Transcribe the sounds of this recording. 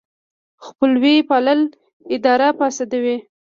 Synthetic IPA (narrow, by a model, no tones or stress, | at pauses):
xpəlwipɑləl | ɪd̪ɑɾapɑsad̪awi